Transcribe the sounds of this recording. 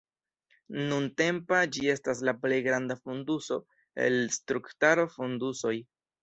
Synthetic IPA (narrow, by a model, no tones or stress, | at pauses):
nunte̞mpad͡ʒie̞staslaple̞jɡɾandafunduso̞ | e̞̰lstɾuktaɾofunduso̞j